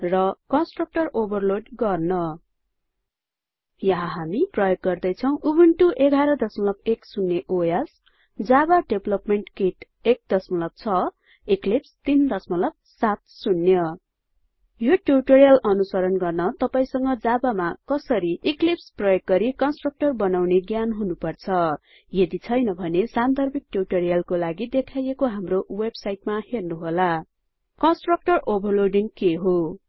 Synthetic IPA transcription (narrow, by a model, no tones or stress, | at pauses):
rʌkʌnsʈrʌk̚ʈʌrobʌrloɖɡʌrnʌ | jʌɦaɦamiprʌjoɡ̚ɡʌrd̪ʌjt͡sʰʌw̃ʔubuɳʈuʔeɡʱaɾʌd̪ʌsmʌlʌbeksunːeʔojas | d͡zabaɖeblʌpmeɳʈkiʈ | ek̚d̪ʌsmʌlʌb̚t͡sʰʌ | iklipst̪ind̪ʌsmʌlʌb̚sat̪̚sunːjʌ | joʈjuʈoɾijʌlʌnusʌɾʌnɡʌrnʌt̪ʌpaĩsʌŋɡʌd͡zabamakʌsʌɾiʔiklipsprʌjok̚ɡʌɾikʌnsʈrʌk̚ʈʌrbʌnawneɡjanɦunupʌrt͡sʰʌ | jed̪it͡sʰʌjnʌbʱʌnesant̪ʌrbik̚ʈjuʈʌrijʌlkolaɡid̪ekʰajekoɦamrowebsajʈmahernuɦola | kʌnsʈrʌk̚ʈʌrobʌlorɖiŋkeɦo